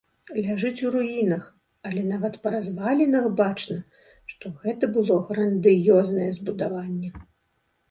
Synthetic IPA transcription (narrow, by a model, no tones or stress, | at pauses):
lʲaʐɨt͡sʲuɾujinɐx | ɐlʲɛn̪avɐt̪pɐɾazvalʲinɐxbat͡ʂnɐ | ʂt̪ɔɣɛt̪ɐbɨlˠɔɣɾɐnd̪ɨjɔznɐjɛzbud̪avanʲːɛ